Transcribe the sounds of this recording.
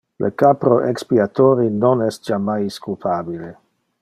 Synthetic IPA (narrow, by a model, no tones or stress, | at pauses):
lʔə̰kapɾoʔekspiat̪oːɾinonɛst̚d͡ʒamajskulpʰaːbile